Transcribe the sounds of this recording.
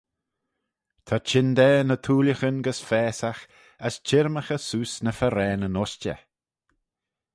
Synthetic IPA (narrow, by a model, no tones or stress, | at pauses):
t̪ʰat͡ʃʰɪnd̪ɛːnət̪ʰuːljəxənɡəsfɛːsax | əst͡ʃʰɪɾməxəsuːsnəfəɾɛːnənɔst͡ʃə̰